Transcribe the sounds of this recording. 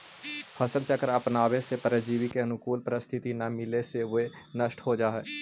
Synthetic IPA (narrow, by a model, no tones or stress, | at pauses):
pʰəsəlt͡ʃəkəɾəpnaːʋesepəɾəd͡ʒiːʋikeənʊkuːlpɾəst̪ʰɪt̪inamɪleseʋe | nəʃʈʰɦod͡ʒaːɦɛː